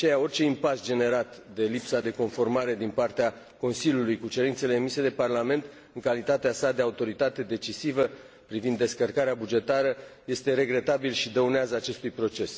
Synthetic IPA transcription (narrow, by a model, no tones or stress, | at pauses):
t͡ʃejao̞rʲt͡ʃe̞impasd͡ʒe̞ne̞ɾat̪d̪e̞lipsad̪e̞ko̞nfo̞rmaɾe̞d̪inpart̪ea | ko̞nsilʲjulujkut͡ʃe̞ɾint̪se̞le̞ːmise̞d̪e̞parlame̞nt̪ | ɨŋkalit̪at̪easad̪e̞aut̪o̞ɾit̪at̪e̞d̪e̞t͡ʃisivə | pɾivind̪ːe̞skərkaɾeabud͡ʒe̞t̪aɾəje̞st̪e̞ɾe̞ɡɾe̞t̪abilʃid̪əuneazəat͡ʃe̞st̪ujpɾo̞t͡ʃe̞s